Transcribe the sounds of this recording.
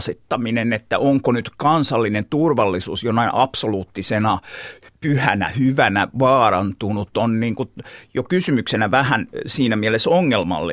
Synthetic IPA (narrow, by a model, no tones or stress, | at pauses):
sit̪ːɑminenet̪ːæʔoŋkonyt̪kɑnsɑlːinent̪urʋɑlːisuːsjonɑiʔɑpsoluːt̪ːisenɑpyhænæ̰hyʋænæʋɑːrɑnt̪unut̪onniːŋkutjokysymyksenæʋæhænsiːnæmielesoŋːelmɑ̰lːḛ